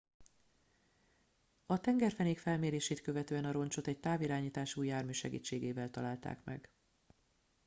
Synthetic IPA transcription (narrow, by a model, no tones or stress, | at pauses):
ɒt̪ɛŋɡɛrfɛneːkfɛlmeːɾeːʃeːt̪kø̞vɛt̪øːɛnɒɾo̞nt͡ʃo̞t̪ɛɟ̚t̪aːviɾaːɲiːt̪aːʃuːjːaːrmyːʃɛɡḭːt͡ʃːeːɡeːvɛlt̪ɒlaːlt̪a̰ːkmɛ̰ɡ